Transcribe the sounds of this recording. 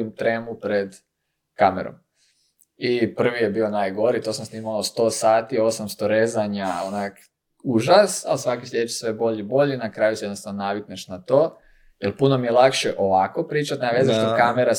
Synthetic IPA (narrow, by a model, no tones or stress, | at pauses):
mt̪ɾeːmupɾed̪ | kameɾo̰m | ipr̩ʋije̞biːonaːjɡo̞ɾit̪o̞samsniːmalost̪o̞ːsaːt̪io̞samst̪o̞ɾezaɲaonak | uʒasalsʋakisʎʲet͡ʃe̥sʋe̞bo̞ʎibo̞ʎinakɾaːjusijed̪nost̪anonaʋikneʃnat̪o̞ː | jelpuno̞mije̞lˠakʃe̞ʔo̞ʋako̞pɾiːt͡ʃat̪naʋjezaʃt̪ikameɾa